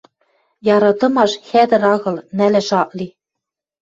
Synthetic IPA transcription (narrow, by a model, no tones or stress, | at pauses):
jɑɾɑt̪ɤ̆mɑʃxæd̪ɘ̆ɾɑɣɤ̆lnælɘ̆ʃɑʔli